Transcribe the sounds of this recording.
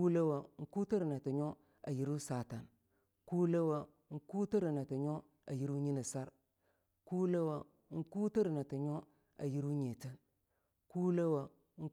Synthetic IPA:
ku˦le˦wa˨ŋ̩˦ku˦tə˦ɾna˨ti˨ɲo˦ | a̰˨ji˦ɾu˦sa˨ta˨n | ku˦le˦wa˨ | ŋ̩˦ku˦ti˦ɾi˨na˨ti˨ɲo˦ | a˨ji˦ɾu˦ɲi˦ni˨sa˦ɾ | ku˦le˦wa˨ | ŋ̩˦ku˦tə˦ɾi˨na˨ti˨ɲo˦ | a˨ji˦ɾu˦ɲe˨ti˦n | ku˦le˦wa˨ | ŋ̩˦

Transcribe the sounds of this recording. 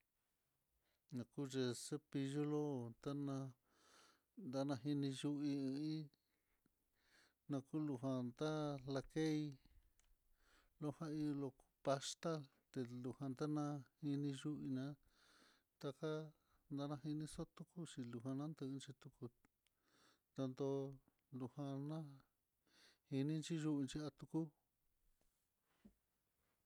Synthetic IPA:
nã˨˧ku˦ʐe˧se˦pi˧ʒo˦lo˦t̪a˦nã˧ | nd̪a˦nã˧ɦi˧nĩ˧ʒu˧ʔi˧ɨ̃˧ĩ˦ | nã˧ku˦lu˧ɦã˧nd̪a˦la˧ke˦i˧ | lo˦hã˦i˧lo˧ku̥˧pa˧st̪a˦l | t̪e˧lu˧hã˧nd̪a˦nã˧hi˧nĩ˧ʒu˦ʔi˧nã˧˦ | t̪a˧ka˦ | nd̪a˦˧nã˧ɦi˧nĩ˧˦so˦t̪u˧ku˦t͡ʃi˧lu˧ɦa˧nã˦nd̪ɨ˧nt͡ʃi˧t̪u˧ku˧ | t̪a˧nd̪o˧ | lu˧hã˧nã˦ | hi˧nĩ˦nt͡ʃi˦ʒu˦ʔi˧nt͡ʃi˧a˧t̪u˧ku˦

